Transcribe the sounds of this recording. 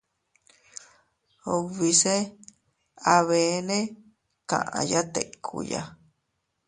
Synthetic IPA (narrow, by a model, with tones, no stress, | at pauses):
o˧βi˧se˦ | a˧βe˨˦nẽ˦ | kã̰˨ʔã˧ja˦t̪e˨ʔkʰṵ˧ja˧